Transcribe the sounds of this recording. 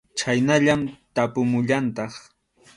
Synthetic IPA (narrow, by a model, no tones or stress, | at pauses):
t͡ʃajnaʎamt̪apʊmʊʎant̪ɑχ